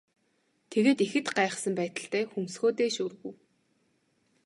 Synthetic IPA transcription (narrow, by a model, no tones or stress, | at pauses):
t̪ʰeɣeːt̪ixɘ̆t̪ɢaːχə̆sə̆mpæːt̪ə̆ɬt̪æːxumsxoːt̪eːʃuːrɣŭw